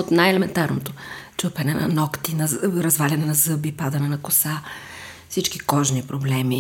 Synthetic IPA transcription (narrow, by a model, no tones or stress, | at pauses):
ot̪najɛlɛmɛnt̪aɾnot̪ot͡ʃɤpɛnɛnɐ̰nɔkt̪inɐɾɐzvalʲɛnɛnɐzɤbipad̪ɐnɛnɐkʊsa | fsit͡ʃkikɔʒnipɾoblɛmi